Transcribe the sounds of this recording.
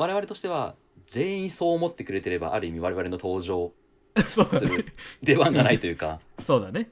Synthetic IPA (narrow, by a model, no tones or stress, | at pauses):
aɾe̞β̞aɾe̞t̪o̞ɕi̥t̪e̞β̞a̰ | zẽ̞ɰ̃ĩso̞ːmo̞t̪ːe̞kɯɾe̞t̪e̞ɾe̞ba̰ʔaɾɯ̟imʲiβ̞aɾe̞βaɾe̞not̪o̞ːʑo̞ː | sosɨɾɯd̪e̞βãŋɡanait̪o̞jɯ̟ːkaso̞ːd̪ane